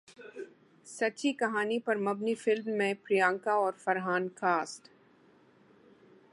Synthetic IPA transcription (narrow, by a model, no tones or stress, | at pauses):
sɐːt͡ʃikɐɦaːnipɐɾmɐbnifɪlmːẽpɾijãːŋkaɔːɾfɐɾɦaːnkaːsʈ